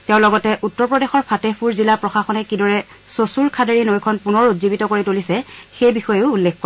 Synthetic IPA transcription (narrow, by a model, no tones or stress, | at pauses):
tɛʊ̃lɔɡɔtɛʔutːɔɹpɹɔdexɔɹpʰatepʰuɹzilapɹɔxaxɔnɛkidɔɹɛ | sosuɹkʰadeɹinojkʰɔnpunɔɹutzibitɔkoɹitolisɛxejbixɔjeʊulːekko